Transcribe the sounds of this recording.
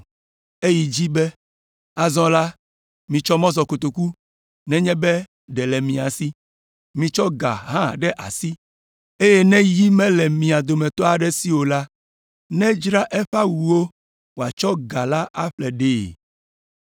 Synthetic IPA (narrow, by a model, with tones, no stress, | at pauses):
e˦ji˨d͡ʑi˦bɛ˦ | a˨zɔ̃˦la˦ | mĩ˨t͡ʃɔ˦mɔ̃˦zɔ˨ko˨t̪o˨ku˦ | nɛ̃˦ɲɛ̃˦bɛ˦ | ɖɛ˨lɛ˨mĩ˨a˨si˦ | mĩ˨t͡ʃɔ˦ɡa̰˨ɦã˦˨ɖɛ˦ʔa̰˨si˦ | e˦jɛ˦nɛ̃˦ji˦mɛ̃˦lɛ˨mĩ˨a˨d̪o˨mɛ̃˨t̪ɔ˦a˨ɖɛ˦si˦wo˨la˦ | nɛ̃˦d͡ʒɾa˦ʔɛ˦ɸa˦wu˨wo˦ | wo˨a˨t͡ʃɔ˦ɡa˨la˦ʔa˦ɸlɛ˨ɖeː˨